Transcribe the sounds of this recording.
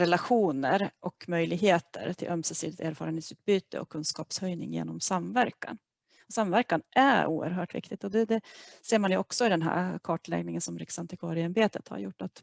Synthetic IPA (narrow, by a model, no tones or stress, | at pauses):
ɾɛlaɧuːnəɾʔɔkmœjlɪɡɦeːt̪ʰə̰ɾt̪ʰɪlʔœmsɛsiːlɪt̪eːɾfɑːɾəneːt̪sʉːt̪̚byːt̪ə̰ɔ̰kʰːɵnskɑːpshœjnɪ̰ŋjḛːnɔmsamvæɾkːa̰n | ɔsamvæɾkanʔæɾṵːə̰ɾɦœːʈvɪ̰kt̪ɪɡ̚t̪ɔd̪ɛd̪ɛseːɾmanjʉɔksɔɪd̪ɛnɦæ̰ːɾkʰɑːʈɭɛ̰ɡnɪŋənsɔmɾɪksant̪ʰəkʰɔɾɪanbeːt̪ət̪ha̰ɾjʊʈːat̪